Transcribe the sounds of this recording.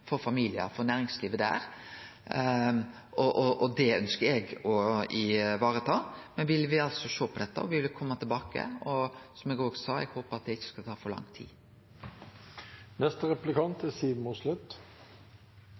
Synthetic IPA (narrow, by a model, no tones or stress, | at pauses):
fɔɾfɑmiːlɪə̰ɾfɔnæːɾɪŋsliːʋəd̪æ̰ːɾ | ʔɔʔɔʔɔd̪ɛœnskəɾɛɡɔɪʋɑːɾət̪ʰɑːmɛnʋɪlʋɪɑlt̪sɔʃoːpʰɔd̪ɛt̪ːə̰ɔʋɪʋɪlkʰɔmːət̪ʰɪlbɑːkə̰ɔsɔmɛɡoːɡsɑːɛ̰ɡhoːpəɾɑt̪̚d̪ɛɪçːə̥skɑlt̪ʰɑːfɔɾlɑ̰ŋt̪ʰḭː | nɛst̪əʁɛplɪkʰɑnt̪æsiːʋmuslʉt̪